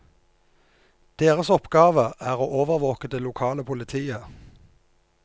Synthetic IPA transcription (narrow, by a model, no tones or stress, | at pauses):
d̪̥eːʁəsɔpɡɑːʋəʔæːʁoːʔoːʋəʁʋoːkəd̪eːlʊkʰɑːləpʰʊlɪt̪ʰiːə